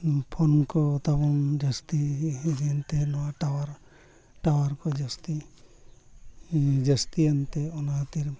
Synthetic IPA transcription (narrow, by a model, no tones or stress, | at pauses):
pʰɔnkɔt̪abɔŋd͡ʒast̪idnt̪elɔwaʈawaɾ | ʈawaɾkɔd͡ʒɔst̪i | d͡ʒəst̪iant̪eɔnaɦat̪iɾ